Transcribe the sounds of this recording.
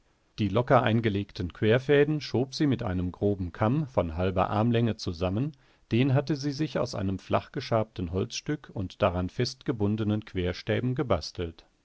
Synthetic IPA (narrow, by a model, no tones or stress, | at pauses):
d̥iːlɔkɐʔa̰ɪnɡəleːktn̩kv̥eːɐfɛːdn̩ʃoːpz̥iːmɪtʔa̰ɪnəmɡʁoːbm̩kʰamfɔnɦalbɐ̰ʔa̰ɐmlɛŋət͡suzamən | d̥eːnɦatəziːzɪça̰ʊsʔa̰ɪnəmflʔa̰χɡ̥əʃaɐp̚tn̩ɦɔlt͡sʃtʏkʰʊntd̥aʁanfɛstɡ̥əbʊndənənkʰv̥eːɐʃtɛːbm̩ɡəbastl̩t